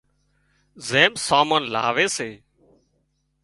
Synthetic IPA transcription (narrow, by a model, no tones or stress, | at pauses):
zẽːmsaːməːnla̰ːʋeːseː